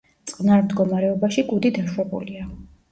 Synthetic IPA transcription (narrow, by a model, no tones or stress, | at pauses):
t̪sʼqʼnaɾmd̪ɡɔmaɾɛɔbaʃiɡud̪id̪aʃwɛbṵlia